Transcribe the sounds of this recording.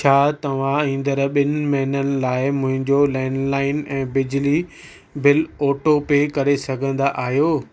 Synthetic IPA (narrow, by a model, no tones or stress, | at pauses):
t͡ɕʰaːt̪ɐʋ̤ãĩːnd̪əɾɓɪnɪ̆mɐɦɪnənɪ̆laːɪmʊ̃ɦɪ̃ɲd͡ʑolɛ̃ːnlaːɪnɛ̃ːbɪd͡ʑli | bɪlɔːʈopekɐɾesɐɡʱə̃nd̪aʔaːɦjoː